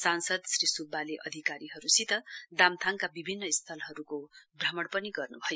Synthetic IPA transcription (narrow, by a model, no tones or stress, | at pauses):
sansʌd̪srisubːaleʔʌd̪ʱikaɾiɦʌɾusit̪ʌd̪amt̪ʰaŋkabibʱinːʌist̪ʰʌlɦʌɾukobramʌɽpʌniɡʌrnubʱʌjo